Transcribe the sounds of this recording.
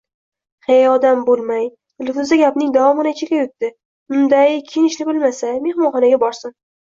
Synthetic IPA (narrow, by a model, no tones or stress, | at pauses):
hejɒd̪ambolˠmaj | lʊfʊzd̪aɡʲapnɪŋd̪avɒmɪnat͡ʃʰekʲajʊt̪ːɪ | ʊnd̪ajkʲʰɪnɪʃnɪbɪlmasame̞hmɒnχɒnaɡʲabɒɾsɪm